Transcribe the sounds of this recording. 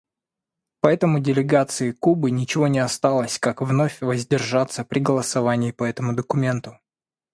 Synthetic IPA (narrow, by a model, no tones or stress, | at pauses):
pɐɛt̪əmʊdʲɪlʲɪɡat̪sɨɪkubɨnʲɪt͡ɕɪvo̞nʲɪɐst̪alˠəsʲkakvnofʲvəzʲdʲɪrʐat̪sːəpɾʲɪɡəlˠəsɐvanʲɪːpɐɛt̪əmʊd̪əkʊmʲe̞nt̪ʊ